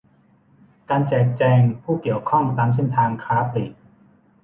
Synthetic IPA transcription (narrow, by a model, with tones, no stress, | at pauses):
kaː˧nt͡ɕɛː˨˩k̚t͡ɕɛː˧ŋpʰuː˥˩ki˨˩əwkʰɔ˥˩ŋt̪aː˧ms̬e˥˩nt̪ʰaː˧ŋkʰaː˦˥pʰɾi˨˩t̚